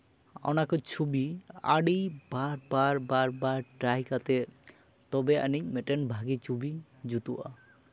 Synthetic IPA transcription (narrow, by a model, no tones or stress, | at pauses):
ɔ̰nakɔt͡ʃʰubia̰ɽijbaɾbaɾbaɾbaɾʈɾajkat̪e | t̪ɔbea̰nic̚ˀmɛʈenbʱaɡit͡ʃʰubid͡ʒut̪uʔa̰